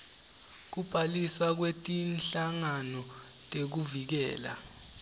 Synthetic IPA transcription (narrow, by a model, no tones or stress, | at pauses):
k̬ub̥ʱaliswak̬wetʼinɬaŋanɔ | tʼek̬uvik̬ɛ̰ːla̰